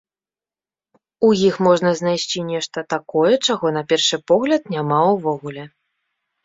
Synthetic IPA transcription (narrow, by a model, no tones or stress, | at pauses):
ujixmɔʐnɐznajsʲt͡sʲinʲɛʂt̪ɐt̪akɔjɛt͡ʂaɣɔnɐpʲɛrʂɨpɔɣlʲɐt̪̚nʲamauvɔɣulʲɛ